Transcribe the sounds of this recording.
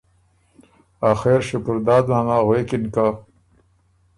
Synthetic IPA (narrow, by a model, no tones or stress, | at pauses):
axeɾʃʊkʊɾd̪ɑːd̪mamaɣwekinka